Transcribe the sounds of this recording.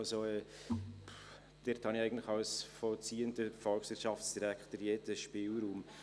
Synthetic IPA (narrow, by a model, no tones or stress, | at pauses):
lsoɛ | d̥ɪɾthɑniæɪɡən̩tlɪxɑʊsfɔlt͡siːəndəfɔlksɪɾʃɑfsd̥iɾækχt̪əɾjeːdəʃpɪːlɾuːm